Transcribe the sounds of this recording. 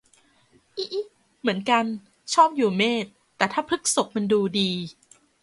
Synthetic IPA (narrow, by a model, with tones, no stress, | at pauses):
ʔi˦˥ʔi˦˥ | mɯ˩˦ənka˧n | t͡ɕʰɔː˥˩p̚juː˨˩meː˥˩t̪̚ːɛː˨˩t̪ʰaː˥˩pʰɾɯ˦˥k̚so˨˩k̚ma˧nduː˧diː˧